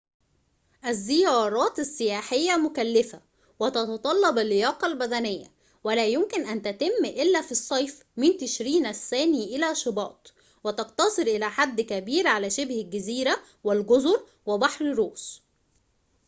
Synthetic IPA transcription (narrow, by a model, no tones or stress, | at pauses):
ʔæzːɪjɑːɾˤɑːt̪asːɪjaːħɪjːæmʊkælːɪfæ | wæt̪ɑt̪ɑt̪ˤɑlːɑbalːɪjɑːqɑlbæd̪ænɪjːæ̰ | wælæːjʊmkɪnʔænt̪æt̪ɪmːʔɪlːæːfisˤːɑjf | mɪnt̪ɪʃɾiːnʔæsːæːniːʔɪlæːʃɑbɑ̰ːt̪ˤ | wɪt̪ɑqt̪ɑsˤɨɾʔɪlæːħad̪ːkæbiːɾʕalæːʃɪbhælɡæziːɾæ | wɪlɡozʊɾ | wɪbɑħɾɾoːs